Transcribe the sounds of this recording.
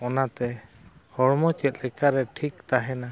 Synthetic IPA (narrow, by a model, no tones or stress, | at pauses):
ɔnat̪ɛ | hɔɹmɔt͡ʃɛt̪lɛkaɾɛʈʰikt̪aɦɛna